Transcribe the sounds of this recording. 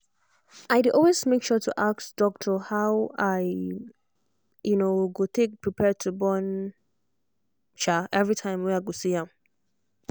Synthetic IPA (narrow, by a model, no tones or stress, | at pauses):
ʔaɪdɪɔlwezmekʃɔtʰuʔaktd̥ɔk̚tʰəhaʊaɪ | junoɡotʰek̚pʰɹipʰɛd̚tʰubɔ̃n | ʃaʔɛvɹitʰãɪ̃mwɛ̃aɡosiãm